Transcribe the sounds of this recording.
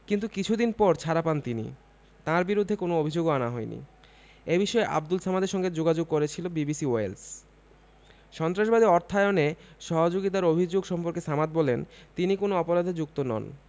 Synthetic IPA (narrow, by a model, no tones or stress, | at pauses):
kint̪ukit͡ɕʰud̪inpɔɾt͡ɕʰaɾapant̪inḭ | t̪ãɾbiɾud̪ʱːekonoobʱid͡ʑoɡanaɦɔenḭ | ebiʃɔeʔa̰bd̪ulsamad̪eɾʃɔŋɡed͡ʑoɡad͡ʑoɡ̚koɾet͡ɕʰilobibisioels | ʃɔnt̪ɾaʃ̬bad̪ʱiɔɾt̪ʰaeoneʃɔɦod͡ʑoɡit̪̬aɾobʱid͡ʑoɡʃɔmpoɾkesamat̪̚bɔlent̪inikonoɔpoɾad̪ʱed͡ʑuk̚t̪onɔ̰n